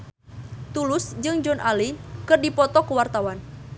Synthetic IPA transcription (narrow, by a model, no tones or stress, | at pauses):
t̪ulʊsd͡ʒɨŋd͡ʒɔnʔalikɨrdipɔt̪ɔkəwart̪awan